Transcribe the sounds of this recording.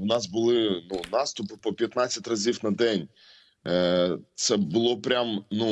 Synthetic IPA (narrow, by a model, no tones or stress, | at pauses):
wnɑsbʊlˠɪnunɑst̪ʊpɪpɔpʲjɐt̪nɑt͡sʲːɐtʲrɐzʲiwnɐd̪ɛnʲ | t̪sɛbʊlˠɔpɾʲamnu